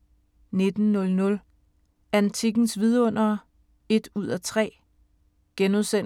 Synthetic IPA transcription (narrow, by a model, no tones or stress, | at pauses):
ne̝d̥n̩nɔ̽lnɔ̽l | ænt͡sʰiɡ̥n̩sʋið̞ˠɔ̽n̰ɐː | e̝d̥uð̞̰ˠæt͡sʰʁɛ̰ː | ɡ̥enuðˠsen